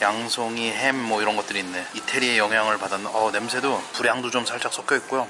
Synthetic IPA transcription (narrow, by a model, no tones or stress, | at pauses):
jaŋsʰoŋiɦemːwʌiɾʌnɡʌt͈ɯɾiːnːe̞itʰe̞ɾie̞jʌŋɦjaŋɯɭpadanːʌne̞msʰe̞dopuɾjaŋdod͡ʑomsʰaɭt͡ɕ͈ak̚s͈ʌk͈jʌik͈̚ojo